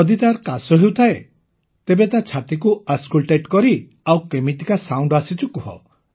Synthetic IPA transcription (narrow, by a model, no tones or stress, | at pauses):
ɔd̪it̪aɾkasɔɦewt̪ʰae | t̪ebet̪at͡ʃʰat̪ikuaskulʈeʈkɔɾi | awkemit̪ikasawɳɖɔasit͡ʃukuɦɔ̰